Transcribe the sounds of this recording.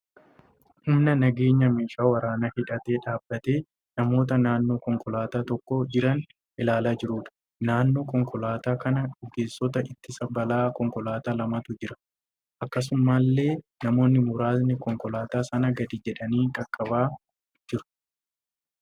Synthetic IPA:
hʊmnɐnɐɡe̞ːɲːɐmeːʃaːwɐɾaːnɐhɪᶑɐt̪e̞ːᶑaːbːɐt̪e̞ː | nɐmo̞ːt̪ɐnaːnːo̞ːkɔŋkʼɔlaːt̪aːt̪ɔkːɔd͡ʒɪɾɐn | ʔɪlaːlaːd͡ʒɪɾuːᶑɐ̥ | naːnːo̞ːkɔŋkʼɔlaːt̪aːkɐnɐᶑʊɡe̞ːsːɔt̪ɐʔɪt̪ːɪsɐbɐlaːkɔŋkɔlaːt̪aːlɐmɐt̪ʊd͡ʒɪɾɐ̥ | ʔɐkːɐs̬ʊmːaːlːe̞ː | nɐmo̞ːnːɪmʊɾaːznɪkɔŋkɔlaːt̪aːsɐnɐɡɐd̪id͡ʒɛᶑɐniːkɐkʼːɐbaː | d͡ʒɪɾʊ̥

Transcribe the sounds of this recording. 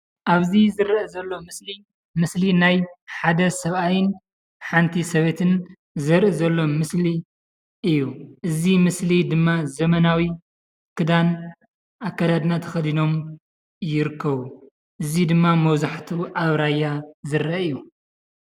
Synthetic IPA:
ʔaβzizɨɾʔɨzɐlːo̞mɨsli | mɨslinajħad̪ɐsɐβʔajɪn | ħant̪ʰisɐβet̪ʰɨn | zɨɾʔɨzɐlːo̞mɨsli | ʔɨjːuʔɨzimɨslid̪ɨmːazɐmɐnawi | kʰɨd̪an | ʔakːad̪ad̪nat̪ʰɐ̥xɐd̪ino̞m | jɪɾɨkʰːɐβu | ʔɨzid̪ɨmːamɐwzaħt̪ʰuʔaβɾajːazɨɾɐɨju

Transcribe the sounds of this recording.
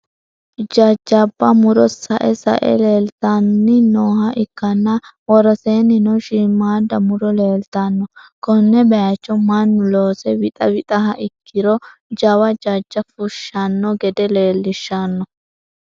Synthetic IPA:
d͡ʒɐd͡ʒːɐbːɐmʊɾɔsɐ̰ʔɛsɐ̰ʔɛ̰leːlt̪ɐnːɪnoːhɐʔɪkːɐnːɐwɔɾɔseːnɪnɔʃɪmːaːd̪ːɐmʊɾɔleːlt̪ɐnːɔkɔnːɛbɛjat͡ʃːɔmɐnːʊloːsɛwɪt̪ʼɐwɪt̪ʼɐɦɐʔɪkʰːɪɾɔd͡ʒɐwɐd͡ʒɐd͡ʒːɐfʊʃːɐnːɔɡɛd̪ɛle̞ːlːɪʃːɐnːɔ

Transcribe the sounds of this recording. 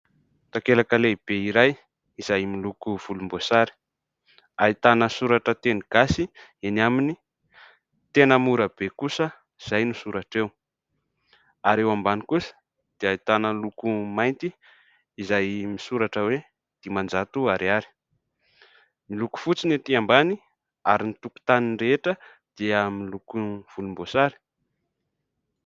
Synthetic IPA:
t̪akelakəleib̥eiɾaj | iz̥ajmilukuv̥ulumbosaɾi̥ | ait̪anəsuɾaʈ͡ʂət̪eniɡ̥asienamini | t̪enəmuɾəb̥ekusə | iz̥ajnusuɾaʈ͡ʂew | aɾewambanikusə̥ | d̪̥eajt̪anəlukumajnt̪iː | zajmisuɾaʈ͡ʂəwe | d̪̥imand͡zat̪uaɾiaɾi̥ | miluku̥fut͡sinet̪iambani | a̰ɾinit̪uku̥t̪aninreeʈ͡ʂə | d̪̥iəmilukuv̥ulumbosaɾi̥

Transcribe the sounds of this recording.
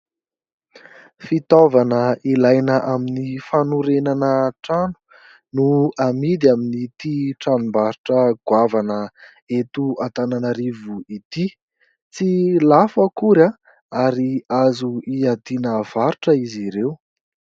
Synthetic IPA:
fit̪ovanəilajnəʔaminifanuɾenanəʈ͡ʂanu̥ | nuamid̪iaminit̪iʈ͡ʂanumbaɾiʈ͡ʂəɡ̥wavanə | et̪uat̪ananəɾivuit̪i | t͡silafəkuɾa | aɾiazuiad̪inəv̥aɾuʈ͡ʂəiziɾew

